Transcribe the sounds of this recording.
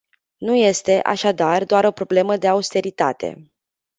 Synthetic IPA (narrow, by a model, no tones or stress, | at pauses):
nuje̞st̪e̞ʔa̰ʃad̪ard̪oaɾo̞pɾo̞ble̞məd̪e̞aust̪e̞ɾit̪a̰t̪e̞̰